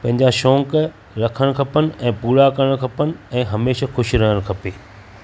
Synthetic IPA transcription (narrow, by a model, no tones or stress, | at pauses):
pɐ̃ɦɪ̃ɲ̆d͡ʑaʃɔ̃ːŋk | ɾɐkʰəɽ̃̆kʰɐpənɪ̆ɛ̃ːpuːɽakɐɽəɽ̃kʰɐpənɪ̆ɛ̃ːɦɐmeːʃaxʊʃɾɐɦəɽ̃kʰɐpeː